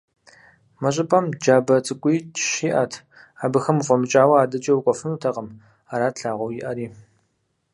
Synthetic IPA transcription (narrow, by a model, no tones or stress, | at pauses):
mɐɕʼɪpʼɐmd͡ʒaːbɐt͡sʼɨkʷʼiːt͡ʃʃiːʔa̰tʰ | aːbɨxɐmqʷɔmɨt͡ʃʼaːwɐaːdɐt͡ʃʼɐwʊkʷʼɔfɨnuːtʰɐqəm | aːɾaːtɬaːʁʷɔwjɪʔɐɾiː